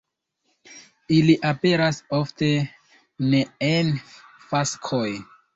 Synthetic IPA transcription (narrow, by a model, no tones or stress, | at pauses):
iliʔape̞ɾasofte̞ | ne̞enfaskʰoj